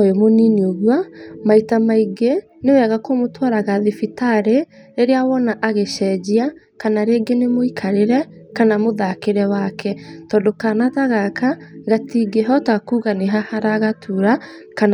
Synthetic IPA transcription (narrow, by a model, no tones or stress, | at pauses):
jomoninioɣwamaitamaiɡe | newɛɣakomotwaɾaɣaðefitaɾeːɾeawɔnaʔaɣeʃɛːd͡ʒia | kanaɾeːɡenemoikʰaɾeɾɛkanamoðakeɾɛwakʰɛtɔːndokaːnataɣakaɣatiɡeɦɔtakuɣaneɦahaɾaɣatʰuɾa | kan